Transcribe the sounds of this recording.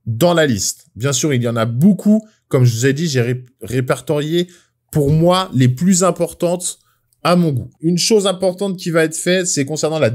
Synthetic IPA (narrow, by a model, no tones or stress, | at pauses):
d̪ɑ̃lalist̪bjɛ̃syʁiljɑ̃nabokʰu | kɔmʒəvuzɛd̪iʒeʁeʁepɛʁt̪ɔʁje | puʁmwaleplyzɛ̃pɔʁt̪ɑ̃t̪ | amɔ̃ɡuynʃozɛ̃pɔʁt̪ɑ̃t̪̚kʲivaɛt̪χfɛt̪sɛkɔ̃sɛʁnɑ̃la